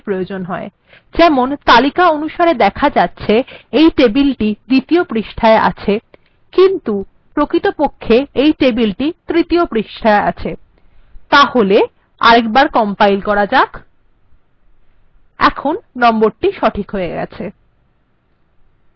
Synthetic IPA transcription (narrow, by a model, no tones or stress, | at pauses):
pɾojod͡ʑonɦɔe | d͡ʑɛmont̪alikaonuʃaɾed̪ɛkʰad͡ʑatːɕʰeejʈebilʈid̪it̪iopɾiʃʈʰaeʔa̰t͡ɕʰe | kint̪u | pɾokɾit̪opokʰːeejʈebilʈit̪ɾit̪iopɾiʃʈʰaea̰t͡ɕʰe | t̪ahole | a̰ɾek̚baɾkɔmpajlkɔɾad͡ʑak | ɛ̰kʰonːɔmboɾʈiʃɔʈʰikɦoeɡɛ̰t͡ɕʰe